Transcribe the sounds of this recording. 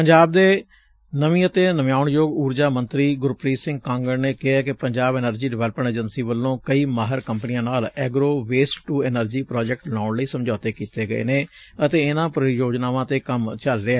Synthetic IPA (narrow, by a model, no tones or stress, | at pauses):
pəɲd͡ʒaːb̚d̪eː | nəʋĩːət̪eːnəmjaːʊɳjoːɡuːɾd͡ʒaːmənt̪ɾiːɡʊɾpɾiːsɪ̃ŋɡ̚kãːŋɡəɾneːkɪɦɛːkɪpəɲd͡ʒaːbɛːnəɾd͡ʒiːɖɪʋɛːlpəɳʈeːd͡ʒənsiːʋəlːõːkəiːmaːɦəɾkəmpniːãːnaːlɛːɡɾoːʋeːsʈːuːɛːnəɾd͡ʒiːpɾaːd͡ʒɛk̚ʈlaːɳləiːsəmd͡ʒaːt̪eːkiːt̪eːɡəḛːneː | ət̪eːɪnãːpɾjoːd͡ʒnaːʋãːt̪eːkəmt͡ʃəlɾɪɛː